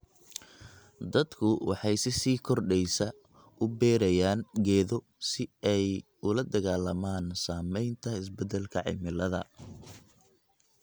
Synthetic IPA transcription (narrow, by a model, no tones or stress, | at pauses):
d̪ɐd̪kʰʊwɑ̰ħɑjsɪsiːkʰɔrɖɛjsɐ | ʔʊbɛːɾɐjaːnɡɛːðɔ | sɪɛj | ʊlɐd̪ɐɣaːlɐmaːnsaːmɛjnt̪ʰɐɪs̬bɛd̪ɛlkʰɐʕɪ̰mɪlɐðɐ̰